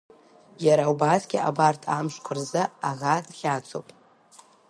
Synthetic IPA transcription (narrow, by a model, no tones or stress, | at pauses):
jaɾaubazɡʲɪʔabartʰamʃʷkʷʰɨrzɨaʁadχʲat͡sʷʰo̰pʼ